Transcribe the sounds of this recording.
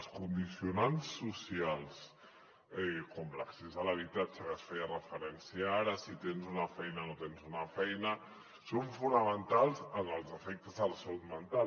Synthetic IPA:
skund̪isiunansːusialˠs | ɛkomlə̰ksezələβ̞it̪at͡ʃəβasfeərəfəɾɛnsiaɾəsit̪enzunəfɛjnənot̪enzunəfɛjnə | soɱfunəmənt̪alˠzənəlˠzəfek̚t̪əzðəlˠsəlut̪mənt̪al

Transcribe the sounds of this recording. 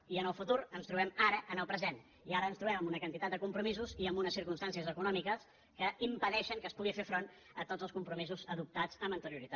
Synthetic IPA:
iənəlˠfut̪uɾənst̪ɾuβɛmaɾəʔənəlˠpɾəzen | iaɾəːnst̪ɾuβɛməmbunəkənt̪it̪at̪̚d̪əkumpɾumizuziəmbunəsːiɾkunst̪ansiəzəkunɔmikəs | kəimpəðɛʃəŋkəspuɣifefɾon | ət̪od͡zəlˠskumpɾumizuzəðup̚t̪ad͡zəmənt̪əɾiuɾit̪a

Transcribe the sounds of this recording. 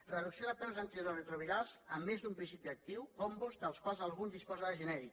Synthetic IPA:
rəðuksioðət̪amzant̪ɾorət̪ɾoβiðalzəmːezd̪umpɾinsipiək̚t̪iwkombozd̪əlˠskwalˠzalˠɣunzðispozaðəʒənɛɾik

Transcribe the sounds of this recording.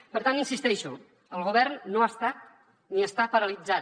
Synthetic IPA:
pəɾt̪aninsist̪ɛʃu | əlˠɣuβ̞ɛrnːoast̪at̪̚ | niəst̪apəɾəlid͡za

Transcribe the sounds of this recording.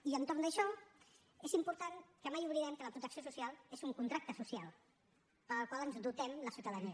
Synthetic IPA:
iənt̪oɾnd̪əʃɔ | ezimpuɾt̪aŋkəmajuβliðɛmkələpɾut̪əksiosusialˠezuŋkunt̪ɾak̚t̪əsusialˠ | pəlˠkwalˠənzd̪ut̪ɛmləsiuwt̪əðəniə

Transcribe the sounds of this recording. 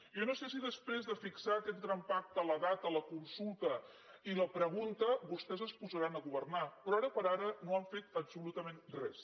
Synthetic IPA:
jonosesiðəspɾezðəfiksaəkɛt̪̚ɡɾampak̚t̪ələðat̪ələkunsulˠt̪ə | iləpɾəɣ̞unt̪əβust̪ɛzəspuzəɾanəɣuβərnapɾɔaɾəpəɾaɾənoaɱfet̪əbsulut̪əmenrɛs

